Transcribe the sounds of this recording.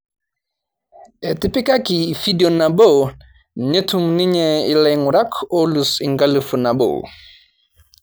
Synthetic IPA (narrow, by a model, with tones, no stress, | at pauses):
ʔɛ˨ti˦pi˦ka˦ki˨fi˦dio˨na˨bo˦w | ɲe˦tʰu˦mni˦ɲɛi˨lɛ˨jŋu˨ɾa˦kʰo˦lusi˨ŋɡa˦lu˨fu˨na˨bo̰˨